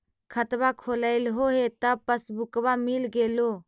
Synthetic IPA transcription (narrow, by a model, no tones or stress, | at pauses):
kʰət̪bakʰoːləɪlɦoɦet̪əpəsbʊkbamilɡeːlo